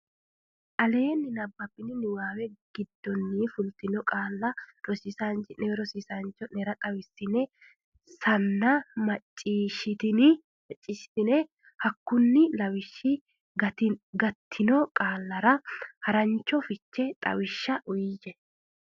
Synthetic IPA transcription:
ʔɐle̞ːnːɪnɐbːɐpːɪnɪnɪwaːwɛɡ̥ɪd̪ːɔnːifʊlt̪ɪnɔkʼaːlːɐɾɔsɪsant͡ʃɪnɛwɛɾɔsɪsant͡ʃːɔnɛɾɐt̪ʼɐwɪsːɪnɛ | sɐnːɐmɐt͡ʃʼːiːʃɪt̪ɪnɪ | mɛt͡ʃʼːɪʃɪ̥t̪ɪnɛ | hɐkːʊnːɪlɐwɪʃːɪ | ɡɐt̪ɪɡɐt̪ʰːɪnɔkʼaːlːɐɾɐhɐɾɐnt͡ʃːɔfɪt͡ʃːɛt̪ʼɐ̰wɪʃːɐʔʊjɪjɛ

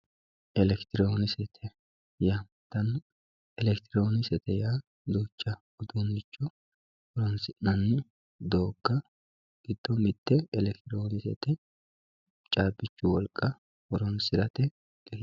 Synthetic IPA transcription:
ʔɛlɛkt̪ɪɾoːnɪsɛt̪ʰɛ | ja | t̪ɐn | ɛlɛkt̪ɪɾoːnɪsɛt̪ɛjaː | d̪uːt͡ʃːɐ | ɔd̪undɪt͡ʃːɔ | ɔɾɔnsɪʔnɐnːɪ | d̪oːɡ̥ːɐ | ɡ̥ɪd̪̥ːɔmɪt̪ːɛɛlɛkt̪ɪɾoːnɪsɛ̰t̪ɛ | t͡ʃʼaːbɪt͡ʃːʊwɔlkʼːɐ | ɔɾɔnsɪɾɐt̪ɛ | ɡ̥ɛ

